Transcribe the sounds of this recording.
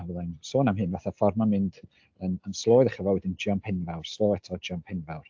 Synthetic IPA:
avəðˠansoːnamhɨːnvaθafɔrmamɨnd | ənənslˠoːjðəχəvwɛwɛdɪnd͡ʒɪɔnpʰɪnvɛwrslˠoːɛtʰɔd͡ʒɪɔnpʰɪnvɛwr

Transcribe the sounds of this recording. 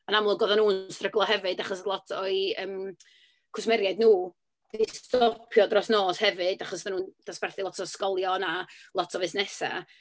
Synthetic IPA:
anamlˠʊɡɔðanuːnstrəɡlˠɔhɛvɨdaχɔslˠɔtʰɔɨəm | kʰʊsmɛɾjajdnuː | distɔpʰjɔdrɔsnoːshɛvɨdaχɔsðanuːnd̥asb̥ɛrθilˠɔtʰɔskɔlˠjɔnalˠɔtʰɔvɨsnɛsa̰

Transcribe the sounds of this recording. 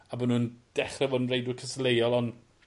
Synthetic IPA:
abənund̥ɛχrɛvɔdn̩rejdwʊkʰəslejɔlˠɔn

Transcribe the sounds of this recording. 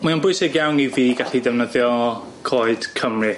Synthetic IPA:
manbʊɨsɪɡjawniviːɡaɬidɛvnəðjɔ | kʰɔːɨd̥kʰəmrɨ

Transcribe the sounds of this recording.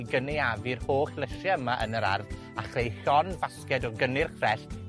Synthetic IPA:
ɡəneavɨrhoːɬlˠəɬjaəmaʔənəɾa̰rð | aχrejɬɔnbaskɛdɔɡənɪrkʰrɛst

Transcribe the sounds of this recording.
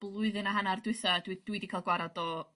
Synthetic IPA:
b̥lˠʊɨðɨnaɦanardɨθadwid̥widikʰalˠɡwaɾadɔ

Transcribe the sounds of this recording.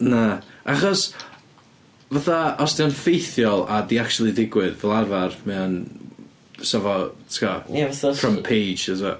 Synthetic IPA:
naaχɔs | vaθaɔsd̥ianfejθjɔlˠadiak̚t͡ʃulˠidɪɡwɪðvɛlˠarvarmɛan | sɛvɔtʰkʰajavəθrəmpʰejd͡ʒɛza

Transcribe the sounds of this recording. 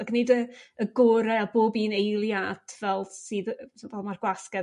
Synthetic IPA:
aknedəəɡʊɾɛaboːbiːnejlˠjad̥vɛlˠsɨːðsvɛlˠmarɡwaskɛ

